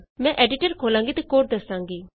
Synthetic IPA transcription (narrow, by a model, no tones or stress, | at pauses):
mɛ̃ʔɛːɖɪʈəɾkʰoːlãːŋɡit̪ekoːʈ̚d̪əsãːŋɡiː